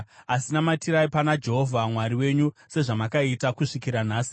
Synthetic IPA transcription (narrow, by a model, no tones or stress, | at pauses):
asinamatiɾaipanad͡ʒe̞ɦo̞vʱamwaɾiwe̞ɲuse̞ʐamakaitakuʂikiɾan̤aːsi̥